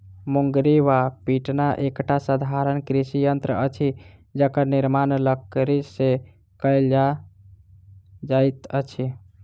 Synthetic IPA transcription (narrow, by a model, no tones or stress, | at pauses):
muŋɡɾiʋapiʈnaʔekʈasəd̪ʱaɾənkɾisijənt̪ɾəət͡ʃʰid͡ʒəkəɾnɪɾmanləkɾise | kəjld͡ʒa | d͡ʒajt̪ət͡ʃʰi